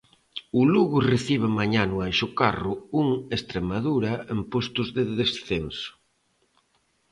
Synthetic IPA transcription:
ʊluɣʊreθiβ̞amaɲanʊajʃʊkarʊuŋest̪ɾemaðuɾɐempost̪ʊzðeðesθensʊ̥

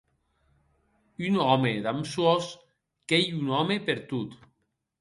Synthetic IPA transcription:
ynɔmed̪amswɔs | kejunɔmepeɾt̪ut̪

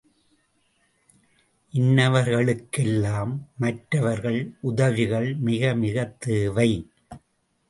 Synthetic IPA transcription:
ʔɪnːɐʋɐɾɣɐɭɯkːɛlːaːmːɐʈɾɐʋɐɾɣɐɭʔʊðɐʋɪɣɐɭmɪɣɐmɪɣɐt̪ːeːʋɐɪ

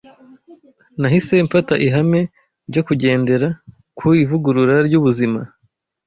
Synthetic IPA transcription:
naɦise̞ɱfataʔiɦame̞ | ɾɟo̞kuɟe̞ːnde̞ɾa | kʰuivuɡuɾuɾaɾjɟuβuzima

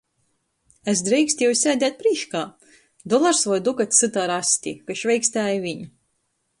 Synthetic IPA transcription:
æs̬d̪ɾɛjksʲt̪ʲjɛwsʲæːd̪ʲæːt̪̚pɾiːʃkaː | d̪ɔlˠaɾsvɔjd̪ukat̪ʲsɨt̪aːɾasʲt̪ʲḭkɨʃvʲɛjksʲt̪æːjvʲiɲ

